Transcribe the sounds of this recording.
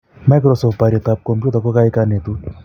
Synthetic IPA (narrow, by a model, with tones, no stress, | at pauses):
ma˦k̬ɾɔ˨sɔ˨pa˨ɾjɔ˨t̪a˨p̚kɔ˨mpju˦ta˨kɔ˦ka˦ɪ˦ka˦ne˨t̪u˦